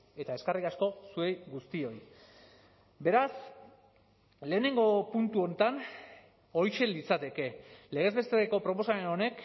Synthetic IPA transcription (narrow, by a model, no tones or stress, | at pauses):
e̞t̪ae̞skariasko̞sue̞jɡust̪io̞j | be̞ɾas | le̞ːne̞ŋɡo̞punt̪uo̞nt̪an | o̞jʃe̞lit͡sat̪e̞ke̞le̞ɣ̞e̞zβe̞st̪eeko̞pɾo̞po̞same̞no̞ne̞k